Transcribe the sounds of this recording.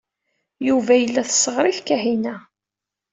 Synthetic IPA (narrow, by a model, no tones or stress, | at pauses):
juvæjəlːæθə̥sːəʁɾiθkæɦinæ